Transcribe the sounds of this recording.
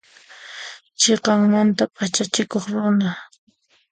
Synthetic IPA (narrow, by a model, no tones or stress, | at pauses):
t͡ʃeqɑŋmant̪apʼat͡ʃat͡ʃɪkoχɾʊna